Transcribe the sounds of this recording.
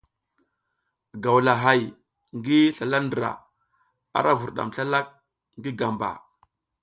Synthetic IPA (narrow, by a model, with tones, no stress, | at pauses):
ɡa˨wla˨ɦa˨j | ŋɡi˦ɬa˨la˦ndɾa̰˨ | a̰˨ɾʔa˦vu˨ɾɗa̰˨mɬa˦la˦k̚ | ŋɡi˦ɡa˨mba̰˨